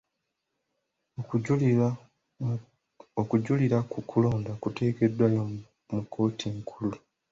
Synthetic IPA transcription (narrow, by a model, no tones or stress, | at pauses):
okuɟuliɾakukʰulo̞ːndakute̞ːke̞dːwajo | mukʰo̞ːtʰiŋkʰulu